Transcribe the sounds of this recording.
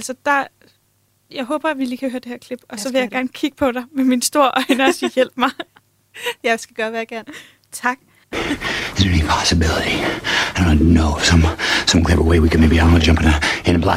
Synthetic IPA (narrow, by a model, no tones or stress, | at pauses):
ælsɒd̥ɑ̈ | jɑ̈ɪɦɔ̽ːb̥ɐæʋiliːkʰæhøːɐd̥e̝hæɐkʰle̝b̥ɒ̽sɒ̽ʋe̝jɑ̈ɪɡ̥æɐnəkʰiɡ̥əpʰɒ̽ɾ̥ɑ̈ɪmeminsd̥o̝ɐ̰ʔɒ̽ɪnɐɒsiːjel̰b̥mɑ̈ɪ | jɑ̈ɪsɡ̥æɡ̥ɶːɐʋæːjɐɡ̥æɐn | t͡sʰɑ̈ɡ̥̚ | ɪzə˞ɛnipʰɑsɨbɪlˠəɾiɪdõʊ̃nanoʊʌ̥sʌ̃msʌ̃mkʰl̥ebə̰weɪwikʰɨd̚meɪbiãnəd͡ʒʌ̃mpɪ̃ŋəɨ̃nəblæ̰